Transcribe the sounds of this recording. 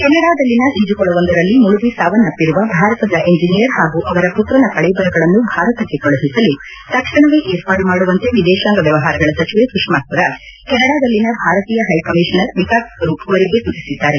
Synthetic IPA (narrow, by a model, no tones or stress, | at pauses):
kɛnːɐɽaːd̪ɐlːinɐɦid͡ʒukɔɭːɐʋɐnd̪ɐɾɐlːimuɭubisaːʋɐnːɐpːiɾuʋɐbʱaːɾɐt̪ɐd̪ɐʔeɲd͡ʒinijɐɾɦaːɡuʔɐʋɐɾɐput̪ɾɐnɐkɐɭɛbɐɾɐɡɐɭɐnːubʱaːɾɐt̪ɐkːe̞kɔɭɐɦisɐlːu | t̪ɐkʂɐɳɐʋeʔeːɾpaːʈmaːɽuʋɐnt̪e̞ʋid̪ɛːʃaːŋɡɐʋjɐʋɐɦaːɾɐɡɐɭɐsɐt͡ʃiʋesukʂmaːspɐɾɐkɛnːɐɽaːd̪ɐlːinɐbʱaːɾɐt̪iːjɐɦɐjkɐmiʂɐnɐɾʋikaːkkɐɾuɐʋɐɾiɡe̞sut͡ʃːisid̪ːaːɾe